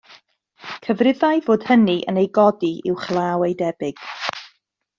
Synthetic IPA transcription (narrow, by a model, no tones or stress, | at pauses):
kʰəvrɪðajvoːd̥həniʔə̰nejɡɔdiʔɪ̰wχlˠaːwejdɛb̥ɪɡ̥